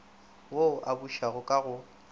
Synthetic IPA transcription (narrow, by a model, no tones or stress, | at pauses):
woʔabuʃaɣʊkʼaɣʊ